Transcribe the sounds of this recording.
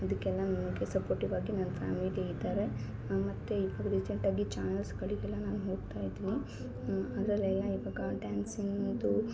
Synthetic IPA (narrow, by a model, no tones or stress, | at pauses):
ɐd̪ɐkːɛlːɐnɐnɐɡesɐpoːɾʈiʋaːɡinɐnɐpʰa̰ːmiliid̪aːɾe̞ | mɐt̪ːeiʋaːɡɐɾisɐɳʈaːɡit͡ʃaːnɐlskɐɭiɡɛlːɐnaːnuɦo̞ːɡt̪aːjd̪iːni | ɐd̪ɐɾɐlɛlːɐiʋaːɡɐɖaːnsinmɐnd̪u